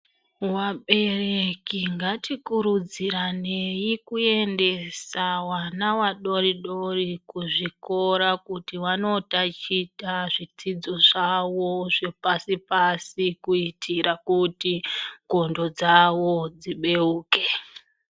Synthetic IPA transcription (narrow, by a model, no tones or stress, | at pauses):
waɓe̞rekiŋɡatikuɾud͡ziɾane̞jikue̞nde̞sawanawaɗo̞ɾiɗo̞rikuʐiko̞ɾakutiwano̞tat͡ʃitaʐit͡sid͡zo̞ʐawo̞ʐepasipasikuitʰiɾakutiɡo̞ndo̞d͡zawod͡ziɓe̞uːke̞